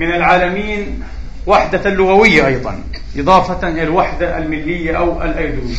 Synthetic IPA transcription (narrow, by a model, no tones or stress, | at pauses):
mɪnalʕaːlamiːn | waħd̪alːʊɣawɪjːaʔɑjd̪ˤɑ̰n | ʔɨðˤɑːfɑʔɪlalwaħd̪aʔa̰lmɪlːɪjːaʔawʔa̰lʔajɾʊː